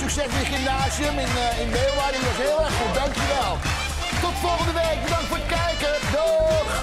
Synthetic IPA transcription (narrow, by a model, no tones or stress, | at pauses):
sʉksɛsmɪəχɪmnaːziəmɪnɪnbeːlˠʋadiʋɑsɦɪːlˠɛɹχχut̚dɑŋkjyʋɛlˠ | tɔtəfɔlˠχəndəʋejk̚bədɑŋktfoːɹət̚kɛjkə | do